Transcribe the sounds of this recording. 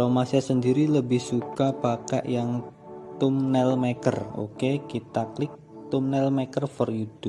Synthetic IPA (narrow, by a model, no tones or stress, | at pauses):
ɾomasasəndiɾiləbɪhsukab̥aka̰ʔjaŋ | t̪ʊmnɛlmekə̰ro̰kekit̪aklɪk̚ | t̪ʊmnɛlmɛkərfɔrjud̥u